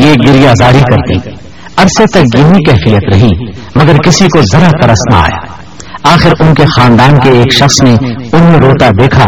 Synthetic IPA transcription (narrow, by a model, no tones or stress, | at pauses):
jeːɡɪɾijazaːɽikɐɾt̪ḭː | ɐɾset̪ɐkjɐɦĩkɛːfijət̪ɾɐɦi | mɐɡəɾkɪsikozɐɾat̪ɐɾəsna̰a̰ːja̰ː | aːxɪɾʊnkexaːnd̪aːnkeeːkʃɐxsneʊnɦẽɾoːt̪ad̪eːkʰaː